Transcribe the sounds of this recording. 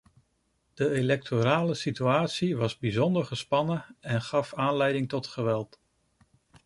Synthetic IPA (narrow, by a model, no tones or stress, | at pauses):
d̥əelɛk̚tʰoɾaːləsityaːtsiʋɑzbizɔndəɹχəspɑnəɛnχɑfaːnlɛjdɪŋtɔtχəʋɛlˠt